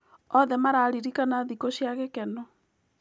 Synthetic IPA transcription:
ɔðɛmaɾaːɾiɾikanaðikoɕjaɣekɛnɔ

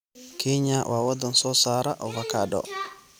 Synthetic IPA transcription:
kʰeɲawʔawad̪ɔnsɔsaːɾaʔɔvakaɗɔ̰

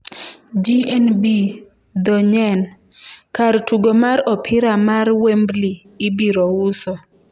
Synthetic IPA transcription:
d͡ʒiɛnbi | d̪ɔɲɛnkaɾtuɡomaɾɔpʰɪɾamaɾwembli | ɪbiɾɔwʊsɔ

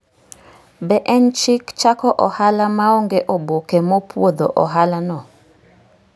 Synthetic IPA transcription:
bɛʔɛnt͡ʃikt͡ʃakɔʔɔhalamaoŋɡɛʔɔbokemɔpwod̪oʔɔɦalanɔ

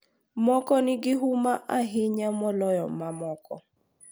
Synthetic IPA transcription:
mɔkɔnɪɡɪɦumaʔaɦɪɲamɔlɔjɔ̰mamɔkɔ̰

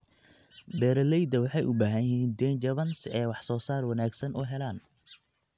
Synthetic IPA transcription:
bɛːɾɐlɛjd̪ɐwɑħɑjʔʊbaːɦɐnɪɦiːnd̪ɛnd͡ʒɐβɐnsɛːjwɑħsɔːsaːrwɑnaːɡsɐnʊɦɛlaːn

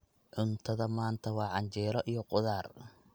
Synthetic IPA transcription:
ʕʊnt̪ʰɐðɐmaːnt̪ʰɐwɑːʕɑɲt͡ʃɛːɾɔʔijɔqʊðaːr

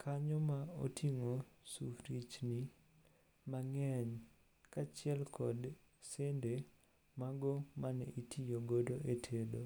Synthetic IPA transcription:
kʰaɲɔmao̰tʰiŋosufɾit͡ʃni | maŋɛɲ | kat͡ʃɪɛlkʰɔd | sende | maɡɔmanɛʔitijoɡodoʔetʰedo

